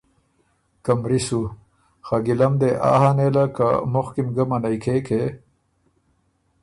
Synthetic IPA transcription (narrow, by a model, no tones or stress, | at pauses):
kɐmɾisu | xɐɡilɐmd̪eʔa̰ːɦanelɐka̰moxkimɡɐmɐnɐjkʰeːkʰe